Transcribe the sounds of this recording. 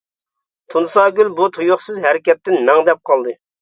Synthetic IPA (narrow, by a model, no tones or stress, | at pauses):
t̪ʰunsɑːɡʲylbut̪ʰujuχsɨzɦɛɾɪkʲɛt̪ːɪnːɛŋd̪ɛp̚qʰɑlˠd̪ɨ